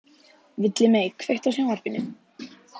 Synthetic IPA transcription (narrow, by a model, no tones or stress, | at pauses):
vɪt̪lɪmeːjkʰvejht̪awsjawnar̥pɪnːʏ